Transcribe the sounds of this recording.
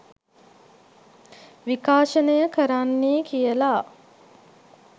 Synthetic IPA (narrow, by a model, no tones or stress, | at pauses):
ʋikaːʃənəjəkəɾanːeːkijəla